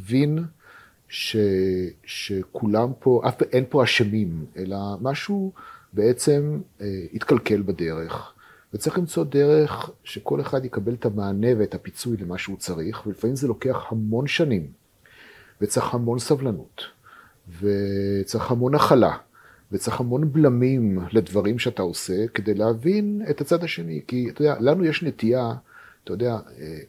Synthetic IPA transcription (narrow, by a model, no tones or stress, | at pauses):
vin | ʃeʃekʰulampʰo̞ʔa̰fʔenpoaʃemime̞lamaʃubeet͡se̞mit̪kalke̞lbade̞ʁe̞χ | vett͡saʁiχlimt͡so̞deʁe̞χʃe̞ko̞leχad̪jekabe̞letamaːne̞veːthapit͡sujlemaʃeut͡saʁiχvelifamimzelo̞ke̞aχhamo̞nʃanim | vet͡saχhamo̞nsavlanut̪ | vet͡saʁiχhamo̞naχala̰ | vet͡saχhamo̞nblamimled̪vaʁimʃeat̪ao̞se̞ked̪ejleavine̞t̪at͡sad̪haʃe̞nikiat̪ojd̪ealanujeʃnet̪ia | t̪ajod̪eae